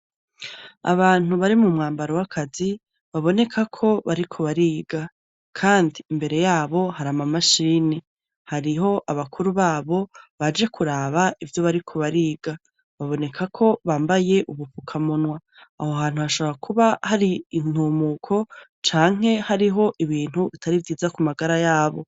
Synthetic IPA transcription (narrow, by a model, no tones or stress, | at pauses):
a̰βaːn̥uβaɾimumŋaːmbaɾowakʰazi | βaβo̞ne̞kʰakʰo̞βaɾikʰo̞βaɾiːɡa | kʰaːndiːmbe̞ɾe̞jaːβo̞haɾamamaʃiːni | haɾiɦo̞ʔaβakʰuɾuβaːβo̞βad͡ʒe̞kʰuɾaβaivjo̞βaɾikʰo̞βaɾiːɡ̥a | βaβo̞ne̞kʰakʰo̞βaːmbaje̞ʔuβupukʰamunwa | ahoɦaːn̥huβaʃoβɾakʰuβahaɾiːn̥uːmukʰo̞t͡ʃaːŋ̥e̞haɾiɦo̞ʔiβiːn̥huβitʰaɾivjiːzakumaɡaɾajaːβo̞